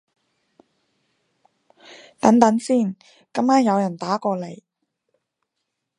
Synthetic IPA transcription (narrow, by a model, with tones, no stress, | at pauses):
t̪ɐ˨˥nt̪ɐ˨˥nsiː˥˩n | kɐ˥mkaː˥njɐ˨˧wjɐ˨˩nt̪aː˨˥kɔː˧le˨˩j